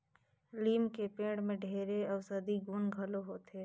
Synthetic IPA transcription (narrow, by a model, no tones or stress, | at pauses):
liːmkepẽːɽmẽɖʱeːɾeɐʋsəd̪iɡuːnɡʱəloɦoːt̪eː